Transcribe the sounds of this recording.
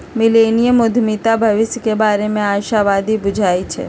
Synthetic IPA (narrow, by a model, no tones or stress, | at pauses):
mɪleːnijəmʊd̪ʱmit̪abʱɐʋɪsjəkebaːɾemẽaːʃaʋaːd̪ibʊd͡ʒʱaːit͡ʃʰɛ̰ː